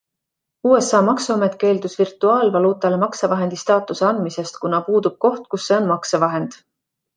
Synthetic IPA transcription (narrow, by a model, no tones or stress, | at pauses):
uːe̞sɑːmɑksɑmet̪ˑke̞ːld̪usvirt̪ːˑuɑːlvɑluːt̪ːˑɑle̞mɑksevɑɦe̞nd̪ist̪ɑːt̪ːˑuse̞ɑnd̪mise̞st̪kunɑpuːd̪̥ub̥̚ko̞ht̪̚kusːe̞o̞nmɑksevɑɦe̞nd̪̥